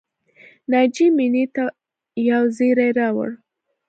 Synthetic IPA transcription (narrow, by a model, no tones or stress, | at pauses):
nɑd͡ʒiminit̪a | jawzeɾajɾɑwə̰ɽ